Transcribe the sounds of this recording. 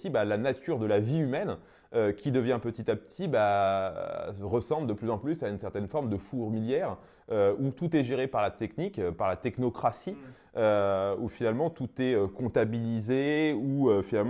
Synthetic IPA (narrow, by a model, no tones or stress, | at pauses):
ibalanat̪ʰyʁd̪əlaviymɛn | økʲid̪əvjɛ̃pət̪it̪apə̥t̪ʰiba | ʁəsɑ̃bld̪əplyzɑ̃plysaynsɛʁt̪ɛnfɔʁmd̪əfuʁmiljɛʁ | øut̪ut̪ɛʒeʁepaʁlat̪ɛknikpaʁlat̪ɛknɔkχasi | øufinalmɑ̃t̪ut̪ɛøkɔ̃t̪abilizeuøfinalm